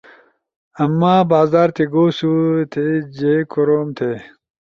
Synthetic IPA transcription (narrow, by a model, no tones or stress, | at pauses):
ɐmːaːbaːzaːɾt̪ʰeɡoːsut̪ʰed͡ʑekuɾoːmt̪ʰeː